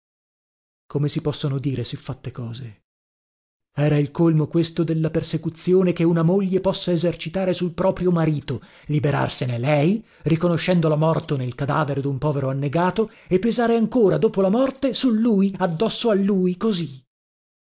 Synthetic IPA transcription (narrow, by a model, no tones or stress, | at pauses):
komesipɔsːonod̪iːɾesifːat̪ːekɔːze | ɛːɾailkolmokwest̪od̪elːapersekut̪sːjoːnekeunamoʎːepɔsːaezert͡ʃit̪aːɾesulpɾɔːpɾjomaɾiːt̪o | libeɾa̰rsenelɛj | rikonoʃːɛnd̪olamɔrt̪onelkad̪a̰ːveɾed̪umpɔːveɾoanːeɡaːt̪o | epːezaːɾeaŋkoːɾad̪oːpolamɔrt̪esulːuːjad̪ːɔsːoalːuːjkozi